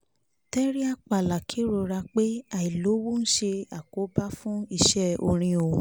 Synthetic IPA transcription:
tɛ˦ɾi˦a˦k͡pa˨la˨kʰe˨˦ɾo˧˨ɾa˧k͡pe˦a˦˨i˨lo˨˦wo˦n̩˦ʃe˧a˨ko˨˦ba˦fũ˦i˧˨ʃɛ˦o̰˧˨ɾ̃ĩ˧o˨

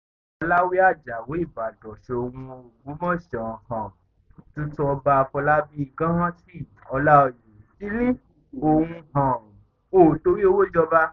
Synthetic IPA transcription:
ɔ˧la˦wi˦a˦˨d͡ʒa˨wo˨˦i˦˨ba˨dɔ˨ʃe˧o˧wũ˧o˧˨ɡu˨˦mɔ̃˦ʃã˨hã˨ | tũ˦tũ˦ɔ˧ba˧a˧fɔ˧la˦bi˦i˨ɡã˦hã˦ti˦˨ɔ˧la˦ɔ˧˨jo˨ti˦nĩ˦ | o˨hũ˧hã˨ | o˨to˨˧ɾi˦o˧wo˦d͡ʒɔ˧ba˧

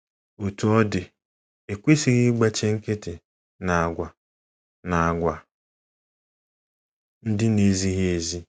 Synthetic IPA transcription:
o˨tu˨ɔ˦dɪ˨ | e˨kʷe˦si˨ɣɪ˦ɡ͡ba˦t͡ʃe˦ŋ̩˦ke˦tɪ˨ | na˨a˨ɡʷa˨ | na˨a˨ɡʷa˨ | n̩˦dɪ˦ne˨˦zi˦ɦe˨zi˦

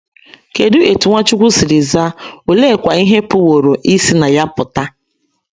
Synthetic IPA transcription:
ke˨dʊ˦e˨tu˨ŋʷa˦t͡ʃʊ˦kʷʊ˦si˨ɾɪ˨za˦o˨le˦˨kʷa˨i˦ɦe˦pʊ˦wo˨ɾo˨ʔi˦si˦na˨ja˦pʊ˨ta˦

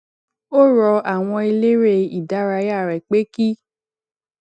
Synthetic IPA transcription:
o˦ɾɔ˧a˨w̃ɔ̃˧i˧le˦ɾe˦i˨da˨˦ɾa˧ja˦˨ɾɛ˨k͡pe˦ki˦

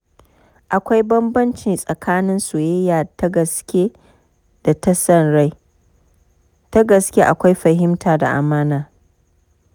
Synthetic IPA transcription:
ʔa˨kʷa˦jbɐ˦mbɐ˦nt͡ʃɪ˨nsʼɐ˨kʰaː˦nɪ˦nso˨je˦jaː˨tɡɐ˨skʲe˦ | d̥a˨ta˦sɐ˦˨nɽa˦j | ta˦ɡɐ˨skʲe˦ʔa̰˨kʷa˦jɸɐ˨ɦɪ˦mtʰaː˨da̰˨ʔa̰˨maː˦naː˨

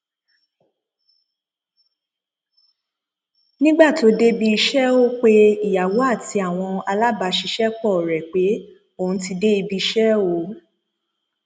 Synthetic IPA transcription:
nĩ˦ɡ͡ba˦˨to˨˧˦de˦bi˧i˧ʃɛ˦o˦k͡pe˦i˨ja˨wo˨˦a˦˨ti˧˦a˨w̃ɔ̃˧a˧la˦ba˧ʃi˧ʃɛ˦k͡pɔ˦˨ɾɛ˨k͡pe˨˦ | o˦˨ũ˨˧˦ti˧de˦i˧bi˧i˧ʃɛ˦o˨˦

